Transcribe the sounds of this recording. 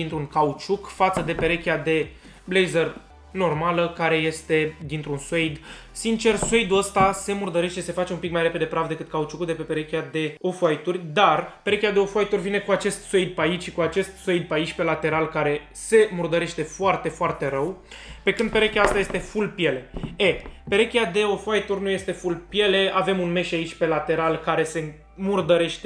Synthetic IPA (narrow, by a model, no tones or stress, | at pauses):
d̪int̪ɾuŋkaut͡ʃukfat̪səd̪e̞pe̞ɾe̞kʲjad̪e̞ | blejzer | no̞rmaləkaɾe̞je̞st̪e̞d̪int̪ɾunsoejd̪ | sint͡ʃe̞rse̞jd̪uəst̪ase̞murd̪əɾe̞ʃt̪ese̞fat͡ʃe̞unmpikmajɾe̞pe̞d̪e̞pɾavd̪e̞kɨt̪̚kaut͡ʃukud̪e̞pe̞peɾe̞kʲjad̪e̞ofajt̪urʲd̪arpe̞ɾekʲiad̪e̞o̞foajt̪urʲvine̞kuat͡ʃe̞st̪sejd̪̚pait͡ʃʲʃikuat͡ʃe̞st̪sojd̪̚pait͡ʃʲpe̞lat̪e̞ɾalkaɾe̞ | se̞murd̪əɾe̞ʃt̪e̞foart̪e̞foart̪e̞ɾəwpe̞kɨnd̪̚pe̞ɾekʲaəst̪ajest̪e̞fulpje̞le̞epe̞ɾekʲiad̪e̞o̞foajt̪urʲnuje̞st̪efulpje̞le̞ave̞munme̞ʃait͡ʃʲpe̞lat̪e̞ɾalkaɾe̞se̞ | murd̪əɾe̞ʃt̪e